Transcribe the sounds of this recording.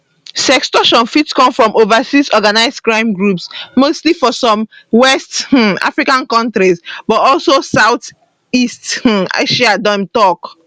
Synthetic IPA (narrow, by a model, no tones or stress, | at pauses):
sɛkstɔʃɔ̃nfitskɔ̃mfɹɔ̃movasisɔɡanaɪskɹãɪ̃mɡɹupsmostlifɔsɔ̃mwɛsta̰fɹikãnkɔ̃ntɹisbɔtɔlsosaʊθ | ista̰ʃiadɔ̃mtɔk